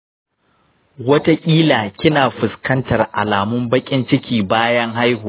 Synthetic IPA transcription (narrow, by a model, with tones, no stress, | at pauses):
wɐ˦ta˦kʲʼiː˦laː˨kʲɪ˦naː˨ɸʊ˨skɐ˦ntɐ˨rʔa̰˨laː˨mʊ˦mbɐ˦kʲʼɪ˦nt͡ʃɪ˦kʲiː˨baː˦jɐ˦ŋɦa˦jhuː˨